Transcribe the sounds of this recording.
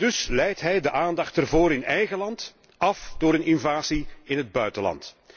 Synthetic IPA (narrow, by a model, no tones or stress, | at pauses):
dɵslɛjtɦɛjdəʔaːndɑxtərvoːɾɪnɛjɣəlɑnt | ɑfd̥ʊːɾənɪnvaːziɪnɦəd̚bœɥtəlɑ̰nt